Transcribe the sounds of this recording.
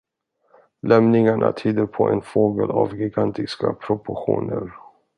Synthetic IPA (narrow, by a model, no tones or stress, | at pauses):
lɛmnɪŋaɳʔat̪ʰyːd̪əɾpʰɔʔɛnfoːɡəlavɡɪɡant̪ɪskapʰɾʊpʊɧṵːnəɾ